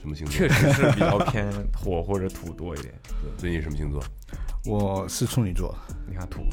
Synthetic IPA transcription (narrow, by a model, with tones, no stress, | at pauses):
ʂə˧˥nmə˧ɕi˧˥t͡ɕʰɥɛ˥˩ɻʂɻ̩˧˥˧pi˨˧ɑ˥˧ʊpʰjɛ˥nxwɔ˨˩xwɔ˥˩ʈ͡ʂɤ˧˥t̪ʰu˨˩t̪wɔ˥ḭ˥˩jɛ̰˨˩˦t̪wɛ˥˩swɛ˥˩i˧˩i˩ʂə˧˥m˧ɕi˧˥ŋt͡sʰwɔ̰˥˩ | wɔ˨˩˦ʂɻ̩˥˧t͡sʰʊ˥ŋni˨˩t͡swɔ̰˥˩d̪əi˧˥a˥˩t̪ʰṵ˨˩˦